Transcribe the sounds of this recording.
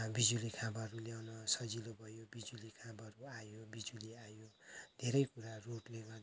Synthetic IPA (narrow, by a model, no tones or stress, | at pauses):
bid͡zulikʰãbʌɾuljawnʌsʌd͡zilobʱʌjobid͡zulikʰãbʌɾuajobid͡zuliajod̪ʱeɾʌjkuɾaroʈleɡʌrd̪